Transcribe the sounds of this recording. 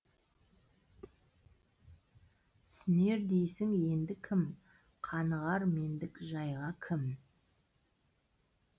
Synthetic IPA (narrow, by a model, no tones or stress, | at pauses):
sʏne̞ɾd̪e̞jsɪŋe̞nd̪ɪkʲʰɪm | qʰɑnəʁɑɾmend̪ɪkʒɑjʁɑkʲʰɪm